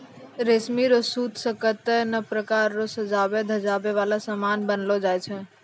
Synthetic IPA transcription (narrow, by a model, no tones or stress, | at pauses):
ɾesmiɾosut̪ʰsəkət̪ɛnəpɾəkaɾːosəd͡ʒabed̪ʱəd͡ʒabeʋalasəmanbənlɔd͡ʒajt͡ʃʰɛ